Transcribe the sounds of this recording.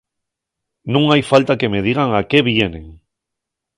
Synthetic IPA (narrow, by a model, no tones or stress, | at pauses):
nũŋajfalt̪akemeð̞iɣ̞aŋakeβjenḛŋ